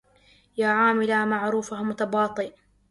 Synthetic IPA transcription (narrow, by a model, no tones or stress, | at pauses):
jaːʕaːmɪlamaʕɾuːfamʊt̪abɑːt̪ˤɨʔ